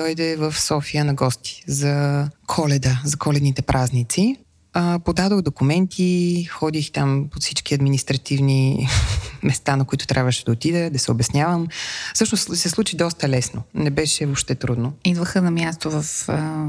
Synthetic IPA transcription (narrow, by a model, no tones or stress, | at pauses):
d̪ɔjd̪ɛvəfsɔfijənɐɡɔst̪i̥zɐkʰɔlɛd̪əzɐkɔlɛd̪nit̪ɛpɾʔaznit̪si | əpod̪ad̪oɣd̪okumɛnt̪ʰixɔd̪ixt̪ampot̪sit͡ʃkiɐd̪minist̪ɾɐt̪ivni | mɛst̪anɐkʊit̪ʊt̪ɾʲʔabvəʃɛd̪ɐot̪id̪əd̪ɐsɛobɛsnʲjavəmfsɤʃnossɛslˠut͡ʃid̪ɔst̪əlɛsnonɛbɛʃɛopʃt̪ɛt̪ɾud̪noid̪vəxənɐmjast̪ovəfə